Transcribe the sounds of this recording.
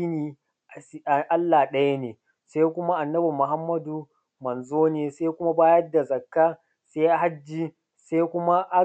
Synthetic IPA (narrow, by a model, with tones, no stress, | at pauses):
i˦niː˨˦ | a˨ʔa˦lːaː˨ɗɐ˦ja˦neː˨ | sa˦jkʷʊ˦ma˦ʔa˨nːɐ˦bu˨mʊ˨ɦa˦mːɐ˦du˨ | mɐ˨nzoː˦neː˨sa˦kʷʊ˦ma˦baː˦jɐ˦dːa˨zɐ˨kːaː˦ | sa˦jʔa˨ɦa˦d͡ʒːiː˦ | sa˦jkʷʊ˦ma˦ʔa˦